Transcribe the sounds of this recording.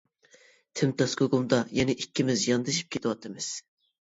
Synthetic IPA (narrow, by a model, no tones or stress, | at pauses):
t̪ʰɪmt̪ɑskoɡumd̪ɑjɛnɛʔikʲʰːimɪzjɑnd̪ɨʃi̥p̚kʲet̪ʰɪwɑt̪ɨmɪz